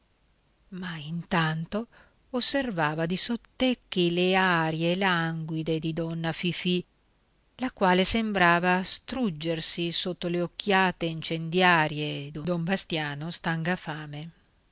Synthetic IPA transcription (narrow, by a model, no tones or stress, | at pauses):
maint̪ant̪o | osːervaːvad̪isot̪ːekːileaɾjelaŋɡwid̪ed̪id̪ɔnːafifi | lakwaːlesembɾaːvast̪ɾud͡ʒːersisot̪ːoleok̟ʰːjaːt̪eint͡ʃend̪jaːɾjed̪od̪ombast̪jaːnost̪aŋɡafaːme